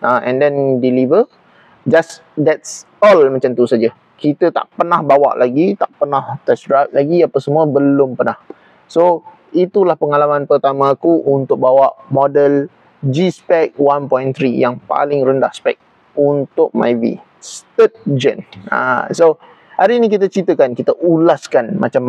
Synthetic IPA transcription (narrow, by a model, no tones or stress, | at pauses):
ʔaʔɛ̰̃ndɛndilivə | d͡ʒas | dɛts | ɔlmat͡ʃant̪usad͡ʒə | kit̪ət̪a̰ʔpənahbawa̰ʔlaɡit̪aʔpənaht̪ɛsɾap̚laɡiapəsəmuəbəlʊmpənah | so | it̪ulahpəŋalamãnpərt̪amãːkuʔunt̪ʊk̚bawaʔmɔdəl | d͡ʒispɛk̚wanpɔjnt̪ɾijaŋpa̰lɪŋrəndahspɛ̰k̚ | unt̪ʊk̚ma̰jvḭ | st̪ət̪̚d͡ʒə̰na̰so | haɾinikit̪ət͡ʃit̪əkankit̪əʔulaskanma̰t͡ʃam